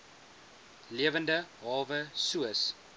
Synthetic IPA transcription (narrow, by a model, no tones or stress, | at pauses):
liəvəndəɦɑːvəsuəs